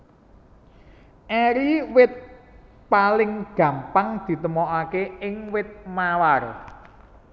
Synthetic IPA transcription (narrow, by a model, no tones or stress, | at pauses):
ʔɛɾiwɪt̪̚ | palɪŋɡ̥ä̤mpaŋd̪̥i̤t̪əmɔʔakeɪŋwɪt̪̚mawar